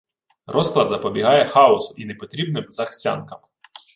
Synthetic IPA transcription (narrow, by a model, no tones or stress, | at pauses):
rʔɔsklˠɐd̪zɐpɔbʲiɦɑjɛxɑʊsʊʔinepɔt̪ɾʲibnɪbzɐxt͡sʲa̰nkɐm